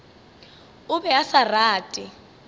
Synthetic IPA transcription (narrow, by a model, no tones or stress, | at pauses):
ʊbɛasaraːtʼɪ